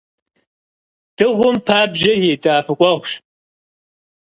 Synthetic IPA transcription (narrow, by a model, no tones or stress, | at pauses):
d̥ɨʁʷʊmpʰaːbʒɐjeːtʼaːfɨkʷʼɔʁʷʃ